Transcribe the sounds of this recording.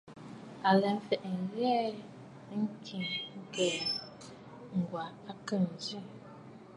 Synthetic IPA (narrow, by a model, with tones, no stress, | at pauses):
a˨lɛ˨m̩˦fɛ˨ʔŋ̩˨jɛː˦ | ŋ̩˦kʰi˨ŋŋ̩˦kɛ˨ | ŋ̩˨ɡwa˨a˦kə˦˨n̩˨zi˦˨